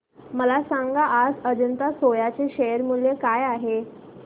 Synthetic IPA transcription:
məlasãŋɡaʔːd͡zəd͡ʑənt̪asojat͡seɕejəɾmuljekajaɦe

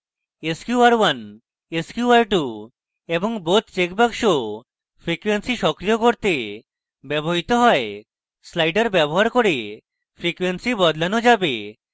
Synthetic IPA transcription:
eskjuaɾwan | eskjuaɾʈu | eboŋbot̪t͡ɕekbaɡʃo | pʰɾikwensiʃɔkɾijokoɾt̪e | bɛboɦit̪oɦɔe | slajɖaɾbɛboɦaɾkoɾe | pʰɾikwensibɔd̪lanod͡ʑabe

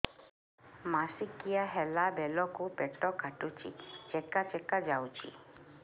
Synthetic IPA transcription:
masikijaɦɛlabɛlɔkupɛʈɔkʰaʈut͡ʃʰḭt͡ʃɛkat͡ʃɛkad͡ʒawt͡ʃʰḭ

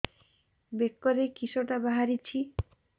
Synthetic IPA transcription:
bekːɔɾekisoʈabaɦaɾit͡ʃʰi

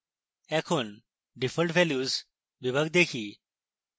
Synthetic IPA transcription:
ɛkʰuːn | ɖifəlʈʋɛljuːz | ʋibəɡ̚d̪ekʰiː

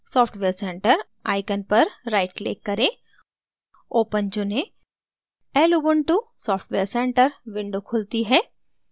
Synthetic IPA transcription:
sɔːpʰʈʋeːɾsɛ̃ːɳʈəɾ | aːɪkənpɐɾːaːɪʈlḛːkːɐɾẽ | oːpənt͡ʃʊnẽ | ɛːlubəɳʈusɔːpʰʈʋeːɾsɛ̃ːɳʈəɾʋɪ̃ɳɖokʰʊlt̪iɦɛː

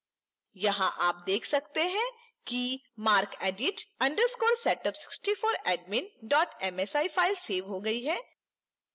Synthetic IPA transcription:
jɐɦãʔaːp̚d̪eːkʰsɐk̚t̪eɦɛ̃ | ki | maːɾkɛːɖɪʈɐ̃ɳɖəɾskoːɾsɛːʈəpsɪ̥ksʈifoːɾɛːɖmɪ̃nɖɔːʈɛmɛsaːifʰaːɪlseːʋɦoɡɐiɦɛ̃ː

